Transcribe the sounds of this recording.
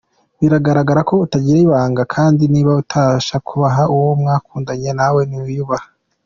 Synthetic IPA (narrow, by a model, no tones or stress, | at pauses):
βiɾaɡaɾaɡaɾako̞utaɟiɾeiβaːŋɡakʰaːndiniːβautʰaʃakʰuβaɦauwomŋaːkuːndaɲenawe̞niujuβaha